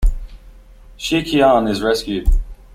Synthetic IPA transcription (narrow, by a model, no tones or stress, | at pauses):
ʃikʰiɑ̃nɪzɹɛskjʉd̥